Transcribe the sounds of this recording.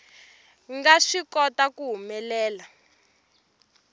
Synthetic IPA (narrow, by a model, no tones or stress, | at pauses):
ŋɡaʂikɔtakuɦumɛlɛːla